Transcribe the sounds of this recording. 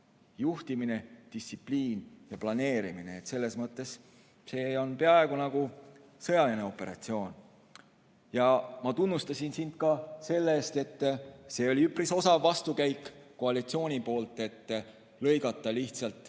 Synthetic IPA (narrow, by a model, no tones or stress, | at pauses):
juht̪imine̞d̪̥isipliːnjɑplɑne̞ːɾimineːt̪ːse̞lːe̞smɤt̪ːˑe̞s | se̞ːo̞npe̞ɑe̞ɡ̥unɑɡ̥u | sɤ̞jɑline̞o̞pːˑe̞ɾɑ̰t̪sio̞ːn | jɑmɑt̪unːust̪ɑsʲinsint̪̚kɑse̞lːeːst̪e̞t̪ːse̞ːo̞lʲiypɾiso̞sɑːɑst̪ukæjkˑːo̞ɑlit̪sio̞ːnʲipo̞ːlt̪ːˑe̞t̪ː | lɤ̞jɡɑt̪ˑːɑliht̪sɑlt̪ˑ